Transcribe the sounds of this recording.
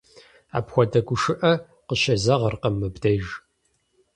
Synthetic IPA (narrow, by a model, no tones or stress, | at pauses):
a̰ːpxʷɔdɐɡʷʊʂɨʔɐ | qəɕɐzɐʁɐrqɐmːɨbdejʒ